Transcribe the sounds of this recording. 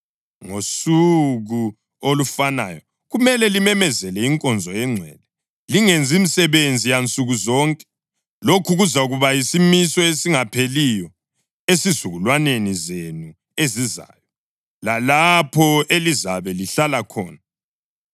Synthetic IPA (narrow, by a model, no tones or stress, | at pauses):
ŋosuɣu | olufana̰jɔ | ɣumɛlɛlimɛmɛzɛlɛiŋkʼɔnd͡zʱɔɛŋ͡ǀʱɛ̰ːlɛ | liŋend͡zʱimisɛβend͡zʱijant͡sʼuɣuzɔŋkʼɛ̥ | lokʰuɣuzauɣuβajisimisɔesiŋapʰelijɔ | esizuɣulwanenizenu | eziza̰ːjɔ | lalapʰɔelizaβɛliɬalakʰɔ̰ːna